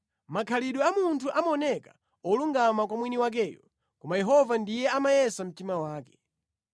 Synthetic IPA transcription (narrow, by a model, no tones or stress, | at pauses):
makʰaliɗɔamuntʰuʔamaɔnɛka | ɔluŋɡamak̬wamwiniwak̬ɛːjɔ | kɔmajɛɦɔvandijɛamajɛsam̩timawaːkɛ̥